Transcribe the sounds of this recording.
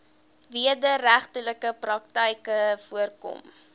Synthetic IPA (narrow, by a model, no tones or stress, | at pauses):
viədəɾæχtələkəprɐk̚təjkəfuərkɔ̰m